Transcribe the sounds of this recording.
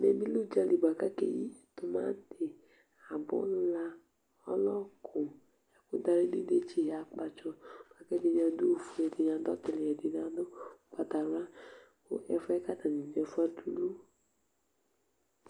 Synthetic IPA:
mɛ˨mĩ˦lo˦d͡ʒa˧li˨ba˨ka˦kḛ˨ji˦t̪o˧mã̰˦n˦te˨ | a˨bɔ̰˦lla˦ | ɔ˦lɔ˦kʰʊ̃˨ | ja˨ko˦da˧ɾe˦de˦de˦t͡ʃi˦˨a˨k͡pa˧t͡ʃɔ˧mã˦kɛ˦de˧ɲã˧du˦o˨fu˨ɛ˨de˨ɲã˨˧˦dɔ˦t̪ɪ˨le˨ɛ˨de˨nã˦do˦˨k͡pa˨t̪a˨ɾa˦ | o̰˦ʔɛ˦fɛ˦ka˦t̪a˨nĩ˨ɲɛ˨fu˦a˦tu˨lu˦

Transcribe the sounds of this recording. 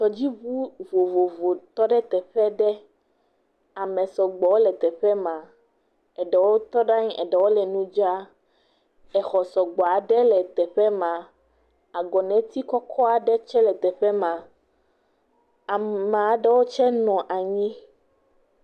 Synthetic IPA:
t͡ʃɔ˨d͡ʑi˦βu˦vo˨vo˨vo˨t̪ɔ˦ɖɛ˦t̪ɛ˨ɸɛ˦ɖɛ˦ | a˨mɛ̃˨sɔ˨ɡ͡bɔ˨wo˦lɛ˨t̪ɛ˨ɸɛ˦mã˨ | ɛ˨ɖɛ˨wo˦t̪ɔ˦ɖa˦ɲĩ˦ɛ̰˨ɖɛ˨wo˦lɛ˨nũ˦d͡ʒa˦ | ɛ˨xɔ˨sɔ˨ɡ͡bɔ˨a˨ɖɛ˦lɛ˨t̪ɛ˨ɸɛ˦mã˨ | a˨ɡɔ˨nɛ̃˨t̪i˦kɔ˦kʰɔ˦a˨ɖɛ˦t͡ʃɛ˦lɛ˨t̪ɛ˨ɸɛ˦mã˨ | a˨mã˨a˨ɖɛ˦wo˦t͡ʃɛ˦nɔ̃˨ʔa˨ɲĩ˦

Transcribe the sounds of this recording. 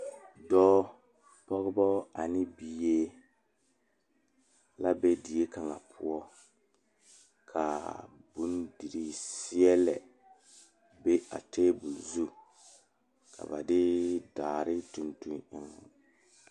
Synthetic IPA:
dɔː˦ | pɔ˦ɣɪ˦bɔ˦a˨nɪ˦bi˨je˦ | la˦be˦di˨e˦ka˨ŋa̰˨pʰʊ˦ɔ˦ | kʰa˨bu˦ndi˨ɾi˦sɪ˦ɛ˦lɛ˨ | be˦a̰˨teː˦bu˨lzu˦ | kʰa̰˨ba̰˨dɪ˦daː˨ɾɪ˦tu˨ntu˦ŋɪ˦ŋ˨

